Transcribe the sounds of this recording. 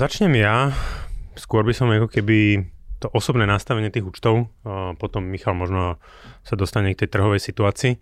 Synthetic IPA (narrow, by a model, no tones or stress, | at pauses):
zat͡ʃɲɛmja | skʊɔɾbisɔmakɔkɛbit̪ɔʔɔsɔbnɛːnast̪aʋɛɲɪɛt̪iːɣuːt͡ʃt̪ɔʊpɔt̪ɔmːixalmɔʒnɔ | sad̪ɔst̪aɲɛk̚t̪ɛjt̪r̩ɦɔʋɛjsit̪uaːt͡siː